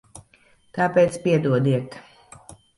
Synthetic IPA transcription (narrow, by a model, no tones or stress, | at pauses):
t̪aːpeːt̪spiɛd̪uɔd̪iɛk̪